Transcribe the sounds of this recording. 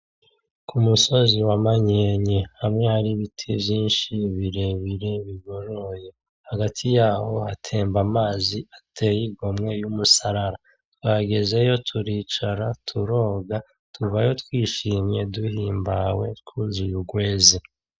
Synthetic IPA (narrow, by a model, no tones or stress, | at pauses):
kʰumuso̞ziwamaɲeɲehamŋe̞haɾiβitʰivjiːnʃiβiɾe̞βiɾe̞βiɡo̞ɾoje̞ | haɡatʰijaːho̞hatʰe̞ːmbamaːziatʰe̞jiɡo̞mŋe̞jumusaɾaɾa | twaɡe̞ze̞jo̞tʰuɾiːt͡ʃaɾatʰuɾo̞ːɡa | tʰuvajo̞tkwiːʃiːmɲe̞duhiːmbawe̞tkʰuzujuɡwe̞ːzi